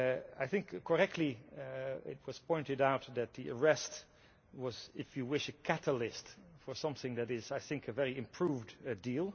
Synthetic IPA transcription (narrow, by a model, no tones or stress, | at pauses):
a̰ɪθɪ̃ŋkkʰːə˞ɛk̚tʰˡli | ɪ̰t̚wʌz̥pʰɔ̃ɪ̃ntɨɾaʊt̪̚ðɨt̪̚ðiə˞ɛst | wʌzɪfjɨwɪʃɨkʰæɾəlɪstfə˞sʌ̃mθɪ̃ŋðɨɾɪzaɪθɪ̃ŋkʰɨvɛɹiɨ̃mpʰɹ̥uvddilˠ